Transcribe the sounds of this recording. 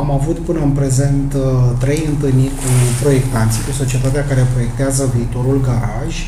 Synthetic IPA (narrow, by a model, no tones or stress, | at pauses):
amavut̪pɨnəɨnpɾe̞ze̞nt̪t̪ːɾe̞jɨnt̪ɨlnikupɾo̞je̞kt̪ant̪sikuso̞t͡ʃiet̪at̪eakaɾepɾo̞je̞k̚t̪eazəviːt̪o̞ɾulɡaɾaʒʲ